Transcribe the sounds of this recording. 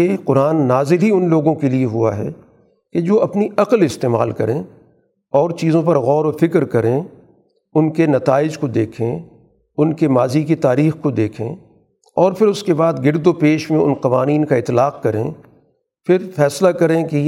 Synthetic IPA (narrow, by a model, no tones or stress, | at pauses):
eːqʊɾaːnːaːzɪlɦiʊnloːɡõkelieɦua̰ɦɛ̰ː | ked͡ʒoːɐpniɐqəlɪst̪eːma̰ːlkɐɾẽː | ɔːɾt͡ʃiːzõpɐɾɣɔːɾofɪkɾkɐɾẽ | ʊnkenɐt̪aːɪd͡ʒkod̪eːkʰẽ | ʊnkemaːzikit̪aːɾiːxkod̪eːkʰḛ̃ː | ɔːɾpʰɪɾʊskebaːd̪ɡɪɾd̪opeːʃmẽʊ̰nqɐʋaːniːnkaɪt̪laːq̚kɐɾḛ̃ː | pʰɪɾfɛːslakɐɾẽke